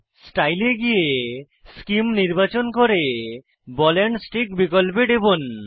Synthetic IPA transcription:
sʈajleɡije | skimniɾbat͡ʃɔnkoɾe | bɔleɳɖsʈikbikɔlbeɖebon

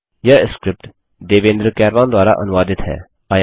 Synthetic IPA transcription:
jəskɾɪp̚ʈ | d̪eːʋẽːnd̪ɾkɛːɾʋãːnd̪waːɾa̰ʔɐ̰nʋaːd̪ɪt̪ɦɛ̰ː | aj

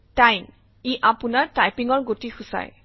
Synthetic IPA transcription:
tajm | iʔapunaɹtajpiŋɔɹɡotixʊsa̰j

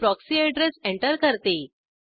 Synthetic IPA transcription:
pɾɔksieɖɾesẽɳʈəɾkəɾt̪e

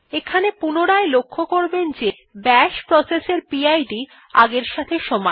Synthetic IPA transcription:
ekʰanepunoɾaelokʰːokoɾbend͡ʑe | bɛʃpɾɔseseɾpiajɖi | a̰ɡeɾʃat̪ʰeʃɔmae

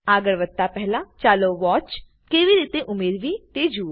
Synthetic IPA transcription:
aːɡəɽʋət̪ːaːpɛɦlãːt͡ʃaːloːʋɔːt͡ʃ | keːʋiːɾiːt̪eʔʊmeːɾʋiːt̪eːd͡ʒuː

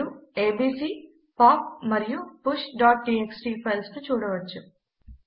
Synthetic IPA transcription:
ueːbiːsiː | paːp̚mɐɾijupuʃɖaːʈ̚ɖiːeksʈiːpʰɐlst̪ut͡ʃuːɽɐʋɐt͡ʃːu

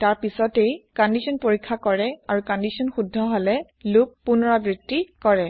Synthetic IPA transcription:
taɹpisɔtejkɔndisʰɔnpoɹikʰːakɔɹɛaɹukɔndisɔnxudʱːɔɦɔlɛ | lupːunɔɹabɹitːikɔɹɛ

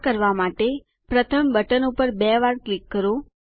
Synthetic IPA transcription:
kəɾʋamaʈe | pɾət̪ʰəmbəʈənupəɾbɛʋaɾklikːəɾo

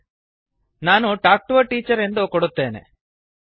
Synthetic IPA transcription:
naːnuʈaːk̚ʈuʋɐʈiːt͡ʃːɐɾe̞nd̪oːkoɽut̪ːeːnḛ

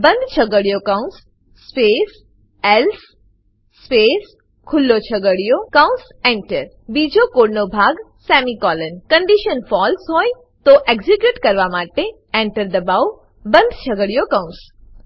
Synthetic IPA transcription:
bə̃nd̪ʱt͡ʃʰəɡəɽijokãʊ̃ns | sːpes | elsː | pes | kʰʊlːot͡ʃʰəɡəɽijokãʊ̃ns | ẽɳʈəɾ | bid͡ʒʱokoɽnobʱaɡ | sɛmikɔːlənkəɳɖiʃənfɔlsɦoːj | t̪oʔeɡd͡ʒikjuʈkəɾʋamaːʈe | ẽɳʈəɾd̪əbaw | bə̃nd̪ʱt͡ʃʰəɡəɽijokãʊ̃ns

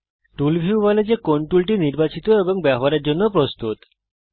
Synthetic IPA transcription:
ʈulbʱiubɔled͡ʑekoɳʈulʈiniɾbat͡ɕit̪oeboŋbɛboɦaɾeɾd͡ʑonːopɾost̪ut̪

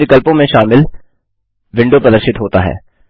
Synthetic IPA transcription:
ɪkəlpõmẽʃaːmɪl | ʋɪ̃ɳɖopɾɐd̪əɾʃɪt̪ɦoːt̪a̰ɦɛ̰ː

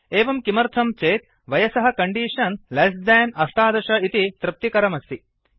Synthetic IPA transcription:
eːʋɐmkimɐɾt̪ʰɐmt͡ʃeːt̪̚ | ʋɐjɐsɐɦɐ̆kɐɳɖiːʂɐnlɐsd̪ɛːnɐʂʈaːd̪ɐʃɐit̪it̪ɾɪp̚t̪ikɐɾɐmɐst̪i

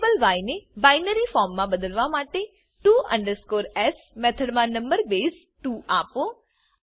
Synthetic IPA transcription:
bəlʋaːjnebaɪnəɾifɔːɾmːãbəd̪əlʋamaːʈe | ʈuːʔə̰̃ɳɖəɾskoːɾɛs | mɛt̪ʰəɽmãnə̃mbəɾbeːs | ʈuːaːpo

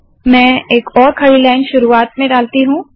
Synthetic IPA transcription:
mɛ̃ːeːkɔːɾkʰɐɭilaːɪnʃʊɾuaːt̪mẽɖaːlt̪iɦũː

